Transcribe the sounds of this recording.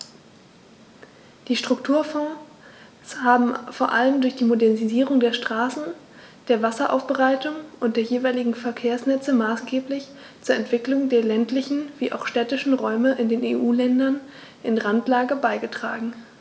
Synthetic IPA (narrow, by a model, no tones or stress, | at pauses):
d̥iːʃtʁ̥ʊktʰuːɐfɔ̃ː | shaːbm̩foːɐʔa̰ləmdʊɐçd̥iːmodɛɐniziːʁ̞ʊŋdeːɐʃtʁ̥aːsn̩ | d̥eːɐvasɐʔa̰ʊfb̥əʁaɪtʊŋʔʊntd̥eːɐjeːvaɪlɪɡŋ̩fɛɐkʰeːɐsnɛt͡səmaːsɡ̥eːplɪç | t͡suːɐɛntv̥ɪklʊŋdeːɐlɛntlɪçn̩v̥iːʔa̰ʊxʃtɛːtɪʃn̩ʁɔʏməʔɪndeːneːʔuːlɛndɐn | ʔɪnʁantlaːɡəbaɪɡətʁ̥a̰ːɡŋ̩